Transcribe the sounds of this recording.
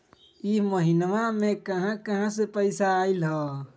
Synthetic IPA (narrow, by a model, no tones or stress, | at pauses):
iməɦinʋamẽkəɦãkəɦãs̬epəɪsaːilɦɔː